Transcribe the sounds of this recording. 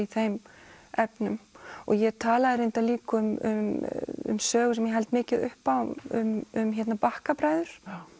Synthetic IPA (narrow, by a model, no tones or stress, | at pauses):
iθejm | ɛpnʏmɔ̰ɣjɛt̪ʰaːlaðɪɾɪnt̪aliːkʏʏmʏmʏ̰msœːɣʏsɛmjɛɦɛlt̪mɪːcɪðʏ̰hpaʏ̰mʏmçɛt̪napahkapɾaːjðʏɾ̥